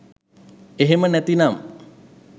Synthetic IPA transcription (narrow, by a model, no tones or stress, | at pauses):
eɦemənæt̪inam